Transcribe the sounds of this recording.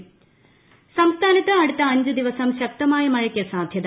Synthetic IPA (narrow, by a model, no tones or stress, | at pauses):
sɐmst̪ʰaːnit̪ɐɐɽit̪ɐɐɲd͡ʒɐd̪iʋɐsɐmɕɐk̚t̪ɐmaːjɐmɐjɐkːesaːd̪ʱjɐd̪